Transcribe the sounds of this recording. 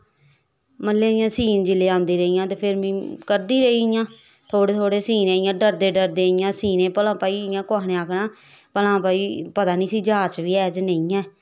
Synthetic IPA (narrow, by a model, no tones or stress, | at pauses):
məlːeːijãːsiːnd͡ʒɪleːãːnd̪iːɾəiːjãːt̪eːpʰɪɾmĩːkəɾd̪iːɾəiːjãː | t̪ʰoːɽeːt̪ʰoːɽeːsiːnẽːɪjãːɖəɾd̪eːɖəɾd̪eːijãːsiːnẽːpəlãːpaːiːɪjãːkoaːnẽːaːkʰnãː | pəlãːpaːiːpət̪aːnĩːsiːd͡ʒaːt͡ʃʋiːɛːd͡ʒnəĩːɛ̃ː